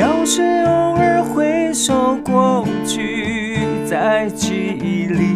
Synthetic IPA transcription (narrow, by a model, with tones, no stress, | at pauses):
jɑ˨˧˥ʊʂ̩˥˧ʊ˧˥ŋə˥˧xwe˧˥ɪʂo˧˩ʊkwɔ˥˧˨t͡ɕʰy˥˩ | t͡sa˧˩ɪt͡ɕʰy˥˧ | i˧˩li˧˩